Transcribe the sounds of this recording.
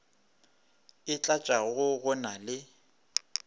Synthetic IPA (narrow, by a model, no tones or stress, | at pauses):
ɪt͡ɬʼat͡ʃʼaɣʊɣʊnalɪ